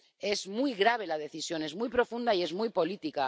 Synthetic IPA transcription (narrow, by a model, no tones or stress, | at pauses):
e̞zmujɣɾaβ̞e̞lað̞e̞θisjo̞ne̞zmujpɾo̞fund̪aie̞zmujpo̞lit̪ika